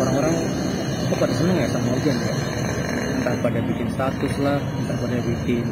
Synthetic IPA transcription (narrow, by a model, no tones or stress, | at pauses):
oɾaŋoɾaŋ | kapadasənəŋat̪amɔrɡanka̰ | ənt̪aʔpadabikɪnst̪at̪ʊslahənt̪ahpadabikɪ